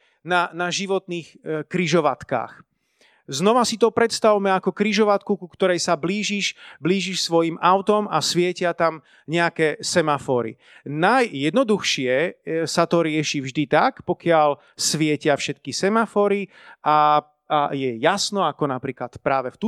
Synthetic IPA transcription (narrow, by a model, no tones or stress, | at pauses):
nanaʒiʋɔt̪niːxkɾiʒɔʋat̪ka̰ːx | znɔʋasit̪ɔpɾɛt̪st̪aʋumɛakɔkɾiʒɔʋat̪kukukt̪ɔɾɛjsabliːʒiʃbliːʒiʃsʋɔjimaʊt̪ɔma̰sʋɪɛcɪat̪am | ɲɛakɛːsɛmafɔːɾḭ | najjɛd̪nɔd̪uxʃɪɛsat̪ɔɾɪɛʃivʒd̪it̪akpɔkɪal | sʋɪɛcɪafʃɛt̪kisɛmafɔːɾi | a | ajɛjasnɔakɔnapɾiːklat̪pɾaːʋɛft̪u